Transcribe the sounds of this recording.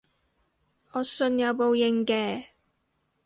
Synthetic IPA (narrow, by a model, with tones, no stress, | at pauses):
ɔː˨˧sɵ˧njɐ˨˧wpo˨˧wjɪ˨˧ŋkɛː˧